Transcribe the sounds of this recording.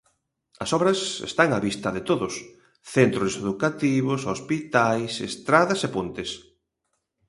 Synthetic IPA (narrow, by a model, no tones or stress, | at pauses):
ɐsɔβɾɐsḛst̪aŋaβist̪ɐðet̪oðʊs | θent̪ɾʊseðukat̪iβʊsospit̪ajsḛst̪ɾaðɐsepont̪ɪs